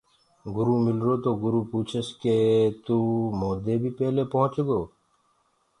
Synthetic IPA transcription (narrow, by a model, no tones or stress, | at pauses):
ɡʊɾuːmɪlɾoːt̪oːɡʊɾuːpuːt͡ʃʰəsket̪uːmoːd̪eːbʱiːpɛɦleːpɔɦʊ̃t͡ʃɡoː